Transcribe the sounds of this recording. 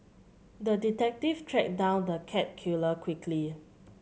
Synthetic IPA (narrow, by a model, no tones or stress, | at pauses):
dəditɛk̚tiftʰɹɛk̚dãʊ̃ndəkʰɛt̚kʰjuləkʰwikʰli